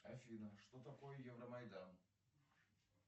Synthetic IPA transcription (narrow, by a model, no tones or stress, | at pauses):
ɐfʲinəʂt̪ot̪ɐkojəjɛvɾəmɐjd̪an